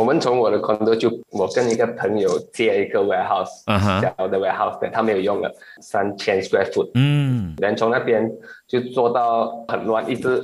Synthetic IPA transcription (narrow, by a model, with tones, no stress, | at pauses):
wɔ˨˩mə˨nt͡sʰʊ˧˦ŋwɔ˨ɾə˦kʰɔ̃˧nnd̪o˧˦t͡ɕjo˥˧ʊwɔ˨˩kə˥˧ni˧ɡə˨pʰə˨˦ŋjo˨ʊt͡sɛ˥˨i˧ɡə˧˨wɛ˧ɦa˧ʊsja˨ʊd̪ə˨wɛ˧ha˧ʊsd̪ɛ̰̃˨˩t̪ʰa˦˧mẽ˨˦ɪjo˨˩ʊjʊ˥˩ŋlə̰˨˩sa˧nt͡ʃʰɛ̃˧nskɛ˧fu˥˨t̩̚d̪ɛ̃˨˦nt͡sʰʊ˨˦ŋna˥˧pjɛ˧nt͡ɕjo˥˧ʊt͡swɔ˥˧t̪a˥˧ʊhə˨˩nlwã˥˧ni˥˧t͡sɹ̩˥˧